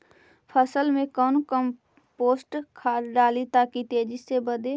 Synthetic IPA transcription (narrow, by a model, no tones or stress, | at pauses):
pʰəsəlmẽkɔːnkəm | poːsʈkʰaːɾɖaːlit̪aːkit̪eːd͡ʒɪsːebəd̪e